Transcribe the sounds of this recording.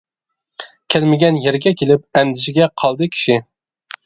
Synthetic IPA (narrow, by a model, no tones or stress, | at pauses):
kʲʰælmɪɡʲɛnjeɾɡʲɛkʲʰelɪp̚ɛnd̪ɪʃɪɡʲɛqʰɑlˠd̪ɨkʲʰi̥ʃɪ